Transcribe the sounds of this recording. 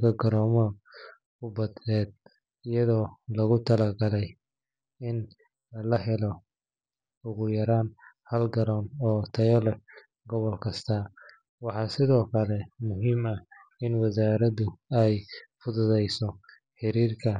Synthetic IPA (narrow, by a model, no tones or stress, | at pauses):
kʰɐɡɐɾɔːmɔ | kʊbɐd̪nɛːd̪̚ | ɪjɐðɔːlɐɣʊt̪ʰɐlɐɡɐlɛj | ɪn | lɐhɛlɔ | ʊɣʊjɐɾaːn | hɐlɡɐɾɔːnɔːt̪ʰɐjɔlɛ | ɡɔβɔlkʰɐst̪ʰɐ | wɑħɑːsɪðɔːkʰɐlɛmʊɦiːmɐ | ɪnwɑsaːɾɐðʊɛjfʊðʊðɛjsɔ | ħɪɾiːrkʰɐ